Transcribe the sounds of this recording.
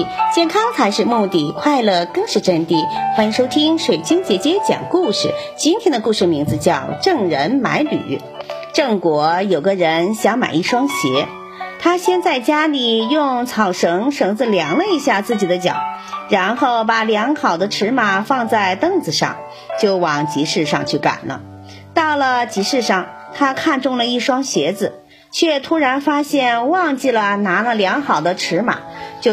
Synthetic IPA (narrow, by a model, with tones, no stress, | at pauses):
t͡ɕjɛ˥˩nkʰɑ˥ŋt͡sʰa˧˥ɪʂɻ̩˥˧mu˥˧t̪i˥˩kʰwa˥˧ɪlə˥˩kɤ˥ŋʂɻ̩˥˧ʈ͡ʂə˥˧nt̪i˥˩xwa˥ni˧˥ŋʂo˥ʊt̪ʰi˥ŋʂwe˨˩ɪt͡ɕi˥ŋt͡ɕjɛ˧˥t͡ɕjɛ˥t͡ɕjɑ̰˨˩ŋku˥˩ʂɻ̩̰˨˩t͡ɕi˥nt̪ʰjɛ˥nd̪ə˧ku˥˧ʂɻ̩˥˩mi˧˥ŋd͡zɹ̩˧t͡ɕjɑ˥˧ʊʈ͡ʂɤ˥˩ŋɻə˧˥nma̰˧˥ɪly̰˨˩˥ | ʈ͡ʂɤ˥˩ŋkwɔ˧˥jo˨˩ʊɡə˧˦ɻə˧˥nɕjɑ˧˥ŋma̰˨˩ɪi˥˩ʂwɑ˥ŋɕjɛ˧˥ | t̪ʰa˥ɕjɛ˥nt͡sa˥˩ɪt͡ɕja˥li˨˩jʊ˥˩ŋt͡sʰɑ˨˩ʊʂɤ˧˥ŋʂɤ˧˥ŋd͡zɹ̩˧ljɑ˧˥ŋlə˧i˧˥ɕja˥˧t͡sɹ̩˥˩t͡ɕi˨˩d̪ə˦t͡ɕjɑ̰˨˩˦ʊɻa˧˥nxo˥˩ʊpa˨˩ljɑ˧˥ŋxɑ˨˩ʊd̪ə˦ʈ͡ʂʰɻ̩˧˥ma˨˩fɑ˥˧ŋt͡sa˥˧ɪt̪ɤ˥ŋt͡sɹ̩˩ʂɑ̰˥˧ŋ | t͡ɕjo˥˩ʊwɑ˨˩ŋt͡ɕi˧˥ʂɻ̩˥˧ʂɑ̰˥˧ŋt͡ɕʰy˥˩ka̰˨˩nlə̰˦ | t̪ɑ˥˩ʊlə˩t͡ɕi˧˥ʂɻ̩˥˧ʂɑ˥˩ŋ | t̪ʰa˥kʰa˥˧nʈ͡ʂʊ˥˩ŋlə˩i˥˩ʂwɑ˥ŋɕjɛ˧˥d͡zɹ̩˧ | t͡ɕʰɥɛ˥˩t̪ʰu˥ɻa˧˥nfa˥ɕjɛ˥˧nwɑ˥˧ŋt͡ɕi˥˩lə˩na˧˥lə˧ljɑ˧˥ŋxɑ˨˩ʊd̪ə˦ʈ͡ʂʰɻ̩˧˥ma̰˨˩˦t͡ɕjo˥˧